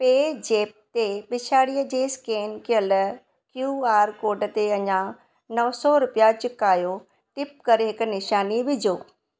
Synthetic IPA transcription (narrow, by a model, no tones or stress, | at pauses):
peːd͡ʑeːp̚t̪ebɪt͡ɕʰaːɽiəd͡ʑeːskeːnkɪjəl | kjuːaːɾkoːɾɖət̪eɐɲã | nɐʋsɔɾʊpijat͡ɕʊkaːjo | ʈɪp̚kɐɾeɦɪkʊnɪʃaːniʋɪd͡ʑoː